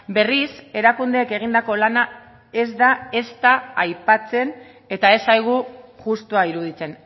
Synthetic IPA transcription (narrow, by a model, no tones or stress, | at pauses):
be̞rise̞ɾakund̪e̞ːke̞ɣ̞ind̪ako̞lana | e̞zd̪ae̞st̪aːjpat͡se̞n | e̞t̪ae̞sajɣ̞uʝust̪uaiɾuð̞it͡se̞n